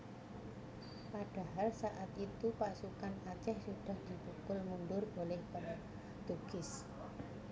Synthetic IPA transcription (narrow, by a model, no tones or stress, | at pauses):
paɖ̥a̤ɦalsaʔat̪it̪upasukanat͡ʃɛhsuɖ̥a̤hd̪̥ib̥ukʊlmunɖʊrb̥olɛhb̥a | t̪uɡ̥ɪs